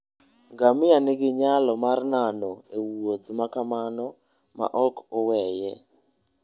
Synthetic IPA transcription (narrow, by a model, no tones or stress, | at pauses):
ɡamɪanɪɡɪɲalɔmarnanɔewot̪makamanɔ | ma̰ʔɔkɔwɛjɛ